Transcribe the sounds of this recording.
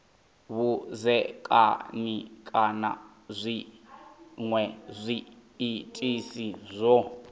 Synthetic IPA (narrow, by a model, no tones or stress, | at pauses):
βuzɛkʼa̰nikʼana̰ | zʷi | ŋwɛzʷiː | tʼisizʷɔ